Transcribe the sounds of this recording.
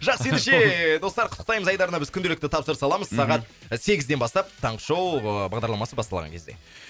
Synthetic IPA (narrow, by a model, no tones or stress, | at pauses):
ʒɑqse̞neʃee̞d̪o̞st̪ɑɾqʰʊt̪ːə̥qt̪ɑjməzɑjd̪ɑɾənɑbɪzkʲʰʏnd̪e̞lɪk̚t̪ɪt̪ʰɑpsəɾəsɑlˠɑməzsɑʁɑt̪̚ | se̞ɡʲɪzd̪e̞nbɑst̪ɑp̚t̪ʰɑɴqʃowbɑʁd̪ɑɾlˠɑmɑsəbɑst̪ɑlˠʁɑ̰ŋkʰʲe̞zd̪ḛ